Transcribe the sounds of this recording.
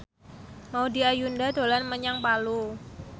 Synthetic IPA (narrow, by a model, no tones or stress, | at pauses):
maudiajundad̪o̤lanməɲaŋpalu